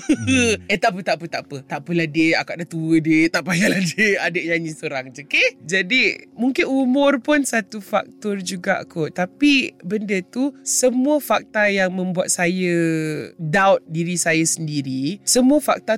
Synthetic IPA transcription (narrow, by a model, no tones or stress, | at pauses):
əɛt̪aʔpət̪aʔpət̪aʔpət̪aʔpəladəakaʔdaht̪uwədiət̪aʔpajaladəadəʔɲaɲĩsoɾaŋd͡ʒəked͡ʒadimuŋkɪnumʊrpʊnsat̪ufa̰k̚t̪ɔrd͡ʒuɡa̰ʔkʰɔt̪apibəndət̪usəmuəfak̚t̪ajaŋmə̃mbuat̪̚sajə | dawt̪̚diɾisajasəndiɾisəmuəfa̰k̚t̪a